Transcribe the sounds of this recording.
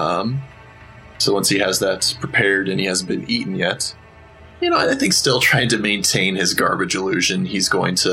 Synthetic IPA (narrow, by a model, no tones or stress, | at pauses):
ʌ̃m | soʊwʌ̃nshiɨzðɨtpʰɹ̥ipʰɛɹɾɨ̃nihæzn̩b̥ɨ̃niʔɪ̃ŋ̩jɛt̚ | jɨnoʊaɪaɪθɪ̃ŋkstɪlˠtʰɹ̥aɪɪ̃ŋtʰɨmẽɪ̃ntʰẽɪ̃nɨzɡɑ̰ɹbɨd͡ʒəlʉʒɨ̃nizɡoʊɪ̃ŋtʰɨ